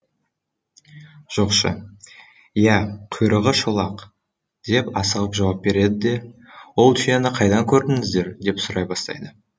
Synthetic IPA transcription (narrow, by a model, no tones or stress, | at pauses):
ʒ̥o̞qʃə̰ | jæqʰʊjɾəʁəʃolˠɑq | d̪̥e̞pɑsəʁəpʒɑwɑp̚be̞ɾe̞d̪ɪd̪e̞wo̞lˠt̪ʰʏjenəqʰɑjd̪ɑŋkʲʰɵɾd̪ɪŋɪzd̪e̞ɾd̪e̞psʊɾɑjbɑst̪ɑ̰jd̪ə